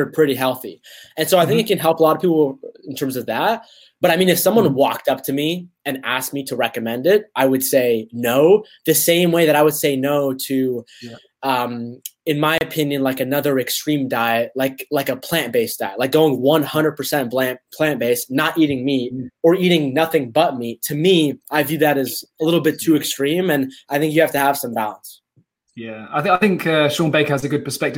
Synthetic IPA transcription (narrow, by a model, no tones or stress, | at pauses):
ə˞pʰɹ̥ɪɾiɦɛlˠθḭɨ̃nsoʊaɪθɪ̃ŋkɨt̚kɨ̃nɦɛlˠpəlɑɾʌv̥pʰipl̩ˠɪ̃n̩tʰɜ̃˞mzʌvðæt̚ | b̥ʌɾaɪmĩnɨfsʌ̃mwʌ̃nwɔk̚tʌp̚tʰɨmi | ɨ̃næsk̚miɾɨɹɛkɨmɛ̃ndɪt̚ʔaɪwɨd̥seɪnoʊ | ðɨsẽɪ̃mweɪðɨɾaɪwɨd̥seɪnoʊɾɨ | ʌ̃mɨ̃nmaɪɨpʰɪ̃njɨ̃nlaɪkɨnʌðə˞ɨkstɹ̥ĩmdaɪɨt̚laɪklaɪkəpʰl̥æ̃nb̥eɪsd̥aɪtlaɪk̚ɡ̥oʊɪ̃ŋwʌ̃nhʌ̃ndɹəd̚pʰə˞sɛ̃nb̥l̥æ̃npʰl̥æ̃nb̥eɪsnəɾʔiɾɪ̃ŋmit̚ə˞iɾɪ̃ŋnʌθɪ̃ŋbʌt̚mitʰɨmiʔaɪvjʉðɨɾɨzəlɪɾl̩ˠbɪtʰʉɨkstɹ̥ĩmɨ̃naɪθɪ̃ŋkjɨhæftɨəv̥sʌ̃mbalˠə̃ns | jæaɪθaɪθɪ̃ŋkʰʌʃɔ̃nbeɪkəzɨɡʊd̚pʰə˞spɛk̚tɨ